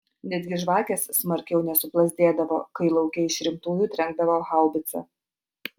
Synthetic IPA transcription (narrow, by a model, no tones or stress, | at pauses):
nʲɛd̪ʲɡʲɪʒʋɑːkʲɛsːmɐɾʲkʲɛʊnʲɛsʊplˠɐzʲd̪ʲeːd̪ɐʋo̰ːkɐɪlˠɐʊkʲɛɪʃɾʲɪmt̪uːjuːt̪ʲɾʲɛŋɡ̚d̪ɐʋoːxɑˑʊbʲɪt̪sʲɛ̰